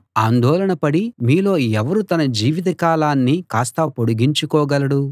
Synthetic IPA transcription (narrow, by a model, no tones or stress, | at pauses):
aːnd̪ɔːlɐɳɐpɐɽimiːlo̞ːɛʋɐɾut̪ɐnɐd͡ʒiːʋit̪̬ɐkaːlaːnːikaːst̪ɐpo̞ɽuɡiɲt͡ʃukɔːɡɐlɐɽu